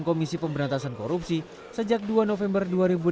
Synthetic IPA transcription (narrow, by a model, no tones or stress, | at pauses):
nkomisipəmbəɾant̪asankoɾup̚si | səd͡ʒak̚duanofɛmbərduaɾibu